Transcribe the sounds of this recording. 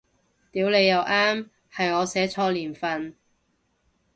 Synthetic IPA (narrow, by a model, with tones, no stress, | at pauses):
t̪iː˨˥wle˨˧jːɐ˨˧wʔaː˥m | hɐ˨jɔː˨˧sɛː˨˥t͡sʰɔː˧liː˨˩nfɐ˨n